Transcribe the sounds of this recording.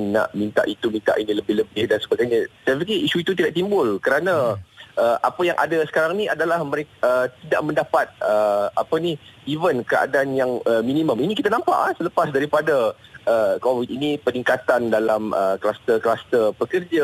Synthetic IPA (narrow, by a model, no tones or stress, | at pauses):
na̰ʔmint̪a̰ʔit̪umĩnt̪a̰ʔinĩləbɪhləbɪhdansəbaɡajɲasajapikiʔisuit̪ut̪̬idaʔt̪imbʊlkəɾanãʔəʔa̰pəjaŋʔa̰dasə̥kaɾaŋniadalahməɾekət̪ida̰ʔmə̃ndapat̪̚əapəniivənkəa̰daːnjaŋəminiməminikit̪anampa̰ʔasələpasdaɾipadaəkowit̪̚inipəniŋkat̪andalamə̰klast̪ərklast̪ərpəkərd͡ʒa